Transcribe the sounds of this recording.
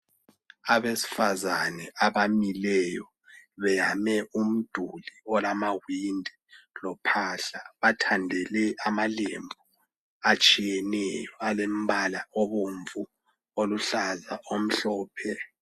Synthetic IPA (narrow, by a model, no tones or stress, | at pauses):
aβesi̥fazanɛʔaβamilɛjɔ | βɛjamɛum̩d̥ʱuliɔlamawindʱɛlɔpʰaːɬaβatʰandʱɛlɛʔamalḛmbʱu | at͡ʃʼijɛnɛjɔalem̩βalaoβuɱvu | oluɬazaʔom̩ɬɔːpʰɛ